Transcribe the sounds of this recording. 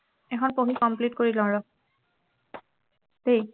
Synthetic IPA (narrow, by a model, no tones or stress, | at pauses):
ɛkʰɔnpoɦikɔmplitkoɹilɔɹɔ | tej